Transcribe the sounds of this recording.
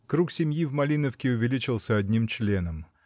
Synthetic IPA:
kɾuksʲɪmʲjivmɐlʲinəfkʲɪʊvʲɪlʲit͡ɕɪlˠsʲəɐd̪ʲnʲimt͡ɕlʲe̞nəm

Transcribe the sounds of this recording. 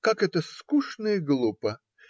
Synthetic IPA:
kakɛt̪əskuʂnəɪɡlˠupə

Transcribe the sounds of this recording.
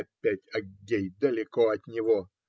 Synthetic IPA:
pʲːætʲɐɡʲejd̪əlʲɪkoɐt̪nʲɪvo

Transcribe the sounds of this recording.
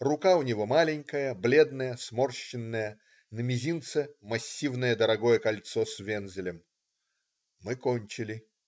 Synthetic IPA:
rʊkaʊnʲɪvo̞malʲɪnʲkəjəblʲe̞d̪nəjəsmo̞rɕːɪnːəjə | nəmʲɪzʲint̪sɨmɐsʲːivnəjəd̪əɾɐɡo̞jəkɐlʲt̪sosʲvʲenzʲɪlʲɪm | mɨkonʲt͡ɕɪlʲɪ

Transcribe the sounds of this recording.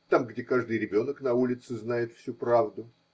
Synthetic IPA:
t̪amɡdʲekaʐd̪ɨjɾʲɪbʲo̞nəknɐulʲɪt̪sɨznajɪt̪fsʲupɾavd̪ʊ

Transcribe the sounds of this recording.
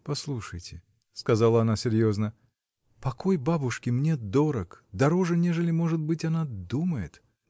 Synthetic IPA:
pɐslˠuʂəjtʲɪ | skɐzalˠəɐnasʲɪɾʲjo̞znə | pɐko̞jbabʊʂkʲɪmnʲed̪o̞ɾəkd̪ɐɾo̞ʐɨnʲe̞ʐɨlʲɪmo̞ʐɨt̪̚bɨtʲɐnad̪uməjɪt̪

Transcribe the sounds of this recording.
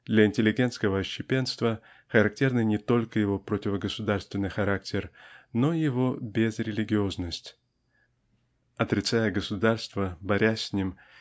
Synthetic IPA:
d̪lʲɐɪnʲtʲɪlʲɪɡʲe̞nt̪skəvəɐɕːɪpʲe̞nst̪və | xəɾɐk̚tʲe̞rnɨjnʲɪt̪o̞lʲkəjɪvo̞pɾotʲɪvəɡəsʊd̪arst̪vʲɪnːɨjxɐɾak̚tʲʰɪrno̞jɪvo̞bʲezɾʲɪlʲɪɡʲɪo̞znəsʲtʲ | ɐt̪ɾʲɪt̪sajəɡəsʊd̪arst̪vəbɐɾʲæsʲsʲnʲim

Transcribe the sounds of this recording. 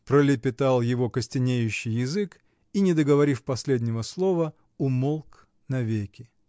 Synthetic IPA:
pɾəlʲɪpʲɪt̪alˠjɪvo̞kəsʲtʲɪnʲejʉɕːɪjjːɪzɨk | inʲɪd̪əɡəvɐɾʲifpɐsʲlʲedʲnʲɪvəslˠo̞və | ʊmolˠk | nɐvʲekʲɪ

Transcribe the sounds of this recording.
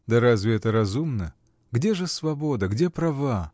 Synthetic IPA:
d̪ɐɾazʲvʲɪɛt̪əɾɐzumnə | ɡdʲeʐɨsvɐbo̞d̪əɡdʲepɾɐva

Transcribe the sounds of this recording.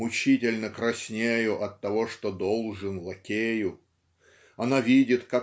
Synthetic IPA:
ʊt͡ɕitʲɪlʲnəkɾɐsʲnʲejʊʔɐt̪ːɐvo̞ʂt̪o̞d̪o̞lˠʐɨnlˠɐkʲejʊ | ɐnavʲidʲɪt̪ka

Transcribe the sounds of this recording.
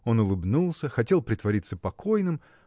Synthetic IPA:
o̞nʊlˠɨbnulˠsʲəxɐtʲe̞lˠpɾʲɪt̪vɐɾʲit̪sːəpɐkʰo̞jnɨm

